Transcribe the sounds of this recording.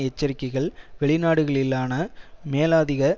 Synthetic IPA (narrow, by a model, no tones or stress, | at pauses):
ɛt͡ʃːɐɾɪkːɐɪɣɐɭʋɛɭɪnaːɽɯɣɐɭɪlːaːnɐmeːlaːðɪɣɐ